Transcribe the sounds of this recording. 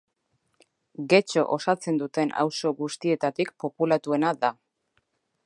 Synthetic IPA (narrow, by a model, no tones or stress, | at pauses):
ɡe̞t͡ʃo̞ʔosat͡se̞nd̪ut̪e̞na̰wso̞ɣust̪ie̞t̪at̪ikpo̞pulat̪ue̞naða